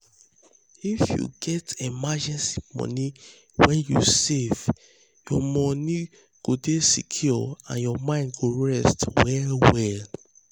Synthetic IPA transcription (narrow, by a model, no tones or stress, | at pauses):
ifjṵɡɛtemad͡ʒɛ̃nsimɔ̰ni | wɛ̃njṵsev | jɔmɔni | ɡ̥odesikʰjɔã̰njɔmãɪ̃ndɡoɹɛstwɛwɛl